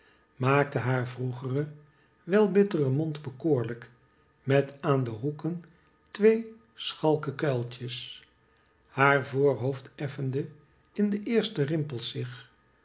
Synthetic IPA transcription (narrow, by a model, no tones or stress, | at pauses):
maːk̚təɦaːɹvruχərə | ʋɛlˠbɪtərəmɔndbəkoːɹlək | mɛtaːndəɦukən | tʋej | sχɑlˠkəkœlˠtəs | haːɹvoːɹɦowftɛfəndə | ɪndəʔɪːɹstərɪmpəlˠsɪχ